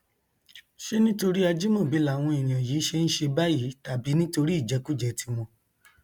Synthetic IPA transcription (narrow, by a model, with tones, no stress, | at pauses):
ʃe˦nĩ˦to˧ɾi˦a˧d͡ʒi˦mɔ̃˦˨bi˨˦la˨w̃ɔ̃˧i˨j̃ã˨jiː˨˦ʃe˧n̩˦ʃe˧ba˦ji˨˦ta˨bi˨˦nĩ˦to˧ɾi˦i˦˨d͡ʒɛ˨˦ku˦d͡ʒɛ˧tʰi˧˦mɔ̃˧